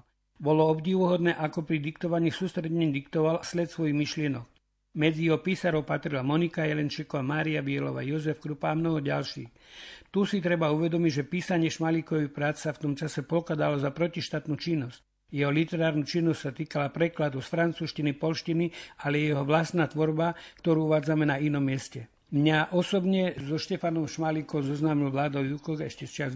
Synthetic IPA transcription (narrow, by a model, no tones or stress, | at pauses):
bɔlɔɔbɟiːʋɔɦɔd̪nɛːʔakɔpɾid̪ikt̪ɔʋaɲiːsuːst̪ɾɛd̪ɲɛɲd̪ikt̪ɔʋalaslɛt̪sʋɔjiɣmiʃlɪɛnɔk | mɛd͡zijɛɦɔpiːsaɾɔʊpat̪ɾilamɔnikajɛlɛnt͡ʃikɔʋamaːɾiabɪɛlɔʋa̰ːjɔzɛfkɾupaːmnɔɦɔɟa̰lʃḭːxt̪usit̪ɾɛbauʋɛd̪ɔmiɟʒɛpiːsaɲɪɛʃmalikɔʋipɾaːt͡ssaft̪ɔmt͡ʃasɛpɔlkad̪alɔzapɾɔciʃt̪aːt̪nuːt͡ʃinːɔsc̚ | jɛɦɔlit̪ɛɾaːɾnuːt͡ʃinːɔscʲsat̪iːkalapɾɛklad̪usfɾant͡suːʃcinipɔlʃcinialɛjɛjɛɦɔʋlast̪naːt̪ʋɔɾbakt̪ɔɾuːuʋaːd͡zamɛnainɔmːɪɛscɛ | mɲaʔɔsɔbɲɛzɔʃcɛfanɔmʃmalikɔʊzɔznaːmilʋlaːd̪ɔʊjukɔɣɛʃcɛst͡ʃɪaz